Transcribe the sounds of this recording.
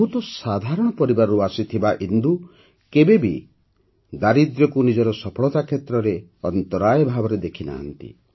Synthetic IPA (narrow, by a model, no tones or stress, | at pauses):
ɦut̪ɔsad̪ʱaɾɔɽ̃ɔpɔɾibaɾɔuasit̪ʰibaʔind̪u | kebebi | d̪aɾid̪ɾɔkunid͡ʒɔɾɔsɔpʰɔɭɔt̪akʰet̪ɾɔɾe | ɔnt̪ɔɾajɔbʱabɔɾed̪ekʰina̰ɦːnt̪ḭ